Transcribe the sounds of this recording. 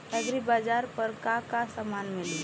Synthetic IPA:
ɐɡɾibaːd͡ʒaːɾpəɾkakasamaːnmɪlɡ

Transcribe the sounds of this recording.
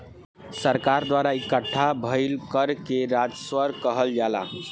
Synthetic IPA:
səɾkaɾd̪waɾaikəʈʰːabʱəɪlkəɾkeɾad͡ʒswəɾkəɦəld͡ʒala̰

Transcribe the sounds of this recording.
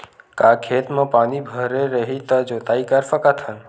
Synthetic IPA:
kakʰet̪mãpaːnibʱəɾeɾəɦit̪əd͡ʒot̪aikəɾfəkat̪ʰən

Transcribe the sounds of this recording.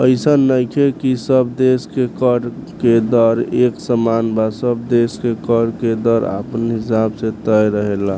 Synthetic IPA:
əɪsənːəjkʰekisəbd̪eskekəɽked̪əɾeksəmanbasəbd̪eskekəɽked̪əɾa̰pənɦisabsẽt̪əjɾəɦela

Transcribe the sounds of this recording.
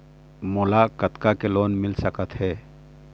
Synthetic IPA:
molakət̪kakeloːnmɪlsəkət̪ɦɛː

